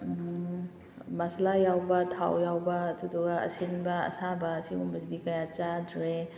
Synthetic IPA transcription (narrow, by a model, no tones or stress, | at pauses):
maslajawbɐtʰa̰wjawbɐtʰudɔɡaɐ̰sinbɐɐ̰sabɐːsimumɐsidikɐjat͡ʃadɾe